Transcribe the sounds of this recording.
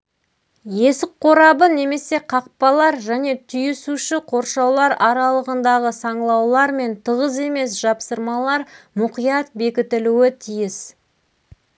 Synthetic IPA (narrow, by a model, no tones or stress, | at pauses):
je̞sɪk̚qʰo̞ɾɑbəne̞me̞se̞qʰɑq̚pɑlˠɑɾʒæne̞t̪ʰʏjɪsuʃɪqʰo̞ɾʃɑwlˠɑɾɑɾɑlˠəʁənd̪ɑʁəsɑɴlˠɑwlˠɑɾme̞nt̪ʰəʁəze̞me̞s̬ʒ̥ɑpsəɾmɑlˠɑɾmʊqijɑt̪̚be̞kʲɪt̪ɪluɪt̪ʰijɪs